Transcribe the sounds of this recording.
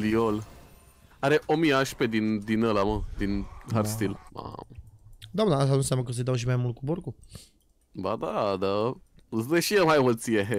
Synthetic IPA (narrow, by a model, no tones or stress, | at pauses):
liol | aɾeʔomiaʃped̪ind̪inəlaməd̪inɦarst̪ila̰ | d̪anaast̪anũnsjamnəkəs̬ed̪awʃ̬imajmult̪̚kuboɾku | bad̪ad̪a | zd̪eʃiemajot̪sieɦe